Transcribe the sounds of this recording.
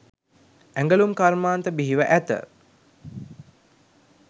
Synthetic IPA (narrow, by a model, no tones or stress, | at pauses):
æŋɡəlumkaɾmaːnt̪əbiɦiʋəʔæt̪ə̰